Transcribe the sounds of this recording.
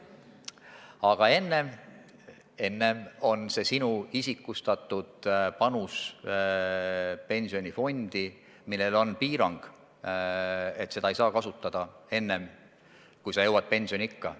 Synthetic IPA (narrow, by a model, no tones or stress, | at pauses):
ɑɡ̥ɑe̞nːe̞m | e̞nːe̞mo̞nse̞sinuisikːˑust̪ɑt̪ˑːud̪̥pɑnus | pe̞nʲsio̞nʲifo̞nʲd̪̥i | milːe̞lo̞npiːɾɑŋɡ̥ | e̞t̪ːˑse̞d̪̥ɑejsɑːkɑsut̪ːˑɑd̪̥ɑe̞nːe̞m | kujsɑjɤwːɑd̪̥̚pe̞nʲsio̞nʲiikːɑ